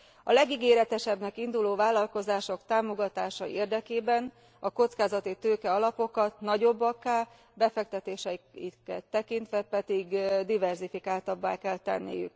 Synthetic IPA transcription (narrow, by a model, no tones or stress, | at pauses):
ɒlɛɡiɡeːɾɛt̪ɛʃɛbnɛkind̪uloːvaːlːɒlko̞zaːʃo̞kt̪aːmo̞ɡɒt̪aːʃɒʔeːrd̪ɛkeːbɛn | ɒko̞t̪skaːzɒt̪it̪øːkɛɒlɒpo̞kɒt̪nɒɟo̞bːɒkaː | bɛfɛk̚t̪ɛt̪eːʃɛikɛt̪ːɛkint̪ʋɛpɛd̪iɡd̪ivɛrzifikaːlt̪ɒbːaːkɛlt̪ɛ̰nːḭjy̰k